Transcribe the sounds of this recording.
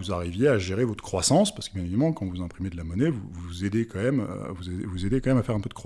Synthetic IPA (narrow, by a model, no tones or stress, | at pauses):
uzaʁivjeaʒeʁevɔt̪χəkχwasɑ̃spaʁsə̥kəbjɛ̃nevid̪amɑ̃kɑ̃vuzɛ̃pχimed̪əlamɔnɛvuvuzed̪ekɑ̃mɛmvuzevuzed̪ekɑ̃mɛmafɛʁɛ̃pød̪əkχ